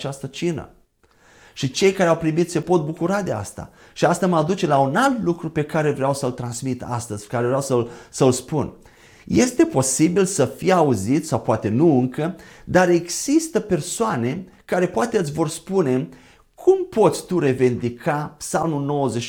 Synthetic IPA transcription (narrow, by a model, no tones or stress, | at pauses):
t͡ʃast̪ət͡ʃinə̰ | ʃit͡ʃe̞jkaɾeawpɾimit̪sʲse̞po̞t̪̚bukuɾad̪e̞a̰st̪a̰ | ʃiast̪aməad̪ut͡ʃe̞launalt̪lukɾupe̞kaɾe̞vɾeawsəlt̪ɾansmit̪a̰st̪əz̥ʲkaɾevɾeawsəlsəlspun | je̞st̪e̞po̞sibilsəfiauzit̪sʲsawpoat̪e̞nuɨŋkəd̪aɾe̞ɡz̥ist̪əpe̞rsoane̞ | kaɾe̞poat̪eɨt̪sʲvo̞rspune̞ | kʰumpo̞t̪sʲt̪uɾe̞vind̪ikʰapsalmulno̞wəzet͡ʃ